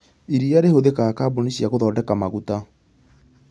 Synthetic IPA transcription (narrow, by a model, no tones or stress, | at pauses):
iɾiaɾehoðekaːkaboniɕiaɣoðɔːdɛkamaɣuta